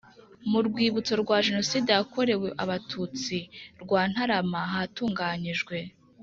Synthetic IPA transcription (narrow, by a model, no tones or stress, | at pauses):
muɾɡwiːβut͡so̞ɾɡwaːʒe̞no̞siːdejako̞ɾe̞we̞ʔaβatʰut͡siɾɡwaːn̥haɾamaɦatuːŋɡaːɲiʒɡwe̞